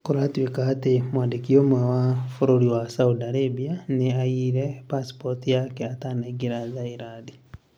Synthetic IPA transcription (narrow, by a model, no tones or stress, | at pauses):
kuɾatwikaːtemwaːndikiomwɛwafoɾoɾiwasaudaɾebianeaiɾɛpaspotijakɛatanaɡiɾazaiɾadi